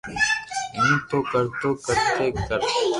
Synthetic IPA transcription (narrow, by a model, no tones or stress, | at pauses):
ẽːt̪oːkəɾt̪oːkəɾt̪eːkəɾ